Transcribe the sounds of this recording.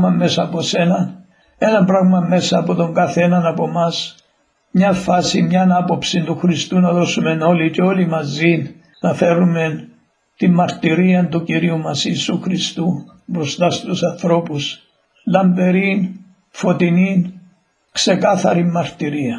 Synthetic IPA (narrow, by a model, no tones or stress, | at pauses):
mɐmːe̞sɐːpo̞se̞nɐn | e̞nɐmpɾɐɣmɐme̞sɐːpo̞t̪o̞ŋɡɐθe̞nɐnɐpo̞mɐs | mɲɐfɐsimɲɐnɐpo̞psint̪uxɾist̪unɐðo̞sume̞no̞liceo̞limɐzin | nɐfe̞ɾume̞n | t̪imːɐɾt̪iɾiɐnt̪uciɾiumɐsiːsuxɾist̪u | bɾo̞st̪ɐst̪usɐnθɾo̞pus | lɐmbe̞ɾin | fo̞t̪inin | kse̞kɐθɐɾimːɐɾt̪iɾiɐ